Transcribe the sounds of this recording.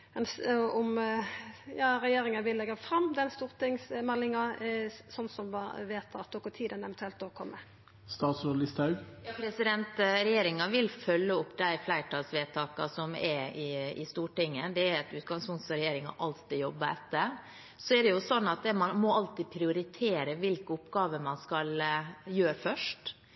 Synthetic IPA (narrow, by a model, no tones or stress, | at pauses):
ɛnsɔm | jɑːɾɛjeːɾɪŋɑnʋɪlːɛɡɑfɾɑmːd̪ɛnst̪uːʁt̪ɪŋsmɛlːɪŋɑsɔnːsɔmʋɑ̰ʋeːt̪ʰɑ̰t̪̚d̪ɔɡɔt̪ʰiːd̪ənɛʋɛnt̪ʰʉɛlt̪d̪okʰɔmːə | st̪ɑːt̪sɔlɪst̪ɑʉɡjɑːpʰɾɛsɪd̪ɛnt̪ɾɛjeːɾɪŋɑʋɪlfœlːəʊpːd̪æɪflæɪʈʰɑːlsʋeːt̪ʰɑːkɑ̰sɔmɛɾɪɪ̰st̪uːʈɪŋːəd̪ɛæɾɑt̪ʉːt̪̚ɡɑŋspʊnt̪sɾɛjeːɾɪŋɑ̰ʔɑlt̪ɪjɔbːəɛt̪ːəɾ | sɔɛɖɛjʊsɔnːɑt̪̚d̪ɛmɑnmɔɑlt̪ɪpʰɾɪʊɾɪt̪ʰeːɾəʋɪlkəʊpːɡɑːʋəmɑnskɑljøːɾfœʂʈ